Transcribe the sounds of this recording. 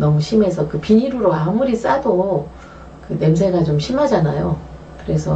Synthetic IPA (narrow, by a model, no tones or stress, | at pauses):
nʌŋɕʰime̞sʰʌkɯpiɲiɾɯɾoamuɾis͈ado | kɯne̞msʰe̞ɡat͡ɕomɕʰimɦad͡ʑanajo | kɯɾe̞sʰʌ